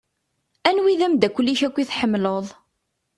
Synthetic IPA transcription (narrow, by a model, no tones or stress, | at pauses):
ænwiðæmd̪ækʷːəlːiçækʷːiθħəmːloðˤ